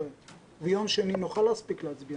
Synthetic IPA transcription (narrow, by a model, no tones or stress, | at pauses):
e | vɛjomʃeninoχalhaspikleat͡sbi